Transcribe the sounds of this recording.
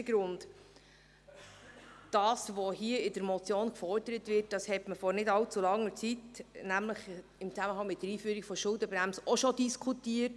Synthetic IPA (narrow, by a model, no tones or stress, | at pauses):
ɡ̥ɾʊnd | d̥ɑːsʋɔhiəɪdəɾmɔt͡sjoːnkfɔɾdəɾətʋɪrt̚d̥ɑshɛtməfɔɾnɪdɑlt͡sulɑŋːəɾt͡sitnæmləχ | ɪmt͡sæməhɑŋmɪt̚dəɾiːfyːəɾikfɔʃʊldəbɾæmsʔɔʃɔdiskʰutiət